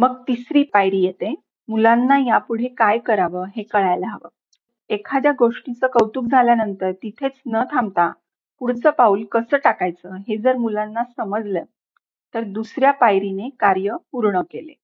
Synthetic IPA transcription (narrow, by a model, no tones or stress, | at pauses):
məɡ̚t̪isɾiːpajɾiːjet̪e | mulanːajapuɽ̤ekajkəɾaʋəːɦekəɭajləɦaʋə | ekʰad̪jaɡoʂʈit͡səkəwt̪uːk̚d͡zʱaljanənt̪əɾt̪it̪ʰet͡snət̪ʰamt̪a | puɽ̤t͡səːpaulkəsəːʈakajt͡səɦed͡zəɾmulanːasəməd͡zlə | t̪əɾd̪usɾjapajɾinekaɾjəpuɾɳəkelḛ